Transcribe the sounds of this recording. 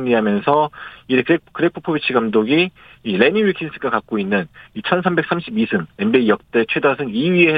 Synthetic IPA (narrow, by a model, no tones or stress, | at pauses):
ɲiɦamjʌnsʰʌiɾekɾekɯɾepʰɯ̥pʰobit͡ɕʰiɡamdoɡi | iɾe̞niwikʰins͈ʰɯɡakak̚k͈oinːɯnit͡ɕʰʌnsʰambe̞k̚s͈amɕʰibisʰɯne̞nbeijʌk̚t͈e̞t͡ɕʰwe̞dasʰɯniɥie